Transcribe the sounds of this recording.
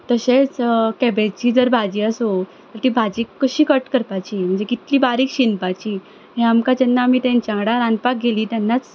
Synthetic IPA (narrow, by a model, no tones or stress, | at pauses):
t̪əɕet͡skɛbed͡ʑt͡ɕiːd͡zəɾbʱad͡ʑiːəsɦo | t̪əɾt̪iːbʱad͡ʑiːkːəɕiːkəʈkəɾpat͡ɕiːm̤əɳd͡zekit̪liːbaɾiːkɕinpat͡ɕiː | ɦẽamkad͡ʑənːamiːt̪ɛ̃nt͡ɕãŋɡɽaɾãnd̪pak̚ɡʱeliːt̪janːat͡s